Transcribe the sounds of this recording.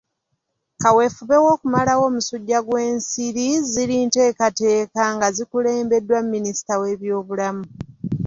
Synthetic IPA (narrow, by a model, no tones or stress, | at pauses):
kawe̞fuβe̞wo̞ːkumalawo̞ːmusuɟːaɡwe̞ːnsiɾiziliːnte̞ːkate̞ːkaŋɡazikule̞ːmbe̞dːwammːinisi̥tawe̞ːβjo̞ːβulamu